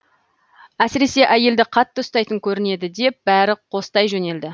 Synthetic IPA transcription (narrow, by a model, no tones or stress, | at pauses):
æsɪɾe̞se̞ʔæje̞ld̪ɪqʰɑt̪ːəʊst̪ɑjt̪əŋkʲʰɵɾɪne̞d̪ɪd̪e̞p̚b̥æɾɪqʰo̞st̪ɑjʒɵne̞ld̪ɪ